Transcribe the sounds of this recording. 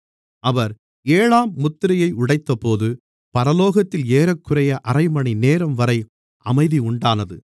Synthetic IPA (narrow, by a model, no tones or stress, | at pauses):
ʔɐʋɐɾ | eːɻaːmːʊt̪ːɪɾɐjɐɪʊɽɐɪt̪ːɐpoːðɯ | pɐɾɐloːɣɐt̪ːɪleːɾɐkːɯrɐjɐʔɐrɐɪmɐɳineːɾɐmʋɐɾɐɪ | ʔɐmɐɪðiʊɳɖaːnɐðɯ